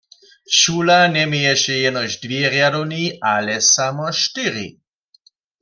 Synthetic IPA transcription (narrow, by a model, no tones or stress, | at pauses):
ʃulanɛmɛjɛʃɛjɛnɔʑdvjɛʁjadɔwniʔalɛsamɔʃtɪʁḭ